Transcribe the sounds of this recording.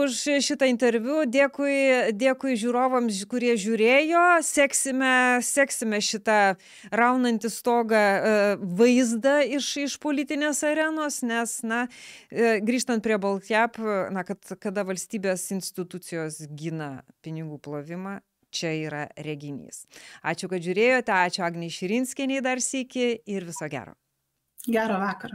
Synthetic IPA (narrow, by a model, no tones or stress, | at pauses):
ʊʃʃʲɪt̪ɐɪnʲt̪ʲɛɾʲʋʲud̪ʲeːkʊɪd̪ʲeːkʊɪʒʲuːɾoːʋɐmskʊɾʲiɛʒʲuːɾʲeːjoːsʲæːksʲɪmʲɛsʲæːksʲɪmʲɛʃʲɪt̪ɑ | rɐʊnɐnʲt̪ʲɪst̪oːɡɐ | ʋɐɪzd̪ɐɪʃɪʃpoːlʲɪt̪ʲɪnʲeːsɐɾʲæːnoːsnʲɛsnɐ | ɡɾʲiːʃt̪ɐnt̪̚pʲɾʲiɛbɐlˠt̪ʲæːpnɐkɐt̪kɐd̪ɐʋɐlʲsʲt̪ʲiːbʲeːsɪnʲsʲt̪ʲɪt̪ʊt͡s̪ʲɪjoːsɡʲinɐpʲɪnʲɪɡuːplˠoːʋʲɪmɑː | t͡ʃʲɛiːɾɐɾʲɛɡʲɪnʲḭːsɑ̰ːt͡ʃʲʊkɐt̪ʒʲʊɾʲeːjoːt̪ʲɛɑːt͡ʃʲʊɑːɡnʲɛɪʃʲɪɾʲɪnʲsʲkʲɛnʲɛɪd̪ɐrsʲiːkʲɪɪɾʋʲɪsoːɡʲæ̰ːɾo̰ː | ɡʲæːɾoʋɑːkɐɾɐ